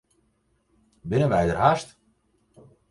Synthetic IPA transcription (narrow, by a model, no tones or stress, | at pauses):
bɪnəʋɛjdərɦast